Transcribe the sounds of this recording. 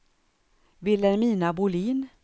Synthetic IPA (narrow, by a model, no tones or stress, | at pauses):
vɪlɛnmiːnabʊliːn